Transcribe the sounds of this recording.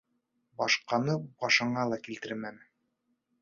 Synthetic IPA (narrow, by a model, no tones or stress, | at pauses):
bɑʃqɑnɤbɑʃɤ̆ɴɑlˠɑkilt̪ɘɾmæm